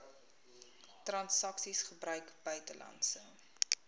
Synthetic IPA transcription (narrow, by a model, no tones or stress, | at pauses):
trɐnsɐksisχəbrœɥkb̥œɥtəlɐ̰nsə